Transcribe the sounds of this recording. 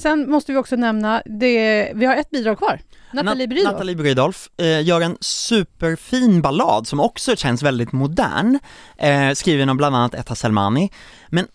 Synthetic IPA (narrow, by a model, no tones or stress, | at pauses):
sɛnmɔst̪əvɪɔksɔnɛmnad̪ɛvɪhaɾɛt̪̚ːbiːd̪ɾɑːɡ̚kʰvɑːɾanlibɾiːnaalɪbɾiːd̪ɔlfjœːɾɛnsʉ̟ːpəɾfiːnbalɑ̰ːd̪sɔmɔksɔɕɛnːsvɛld̪ɪt̪mʊd̪æ̰ːɳ | skɾiːvəɳɔmbland̪anːat̪ʰɛ̰t̪ʰasɛlma̰ːnɪ | mɛn